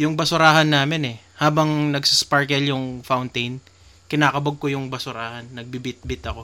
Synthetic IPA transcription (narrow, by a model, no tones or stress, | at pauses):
jʊŋbɐsʊɾaːɦɐnːaːmɪnɛ | haːbɐŋnɐɡsɪspaɹkɛljʊŋfawnt̪ejn | kɪnaːkɐbɐɡ̚kojʊŋbɐsʊɾaːhɐnːɐɡ̚bibɪt̪̚bɪt̪ɐko̞